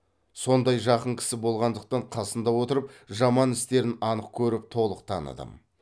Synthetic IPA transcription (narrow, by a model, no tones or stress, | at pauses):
so̞nd̪ɑjʒɑqəɴkʲʰɪ̥sɪbo̞lˠʁɑnd̪əq̚t̪ɑɴqʰɑsənd̪ɑwo̞t̪əɾəpʒɑmɑnɪst̪e̞ɾɪnɑnəqkʲʰɵɾɪp̚t̪ʰo̞lˠəqt̪ʰɑnə̰d̪ə̰m